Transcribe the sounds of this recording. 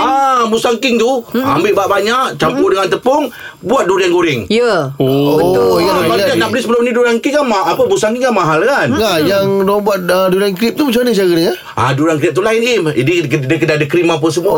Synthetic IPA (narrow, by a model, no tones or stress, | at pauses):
amusaŋkɪŋt̪ua̰mbɪʔbaʔbaɲaʔt͡ʃampudəŋant̪əpɔŋ | buat̪̚duɾianɡoɾɪŋjəoəjaaaaʔnaʔbəlisəbəlʊmniduɾaŋkɪŋamaʔapəmusaŋkiŋanmaɦalkanɡajaŋdbuat̪̚əduɾankɾip̚t̪umat͡ʃamanət͡ʃaɡəɾiŋa | aduɾank̬ɾip̪̚ulaɪnimḭdikədəkədadəkɾimap̬əs̬əmua